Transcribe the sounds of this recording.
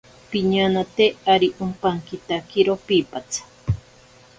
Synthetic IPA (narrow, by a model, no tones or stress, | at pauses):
piɲanat̪eaɾiʔumpaŋkit̪akiɾopipat͡sʰḁ